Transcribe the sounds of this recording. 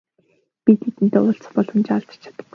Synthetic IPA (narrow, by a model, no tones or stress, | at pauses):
pʲit̪ʰet̪ɘ̆nt̪eːʊːɬt͡s̆χpɔɮɞ̆mt͡ɕaɮt͡s̆t͡ɕʰḁt̪ə̆ɡu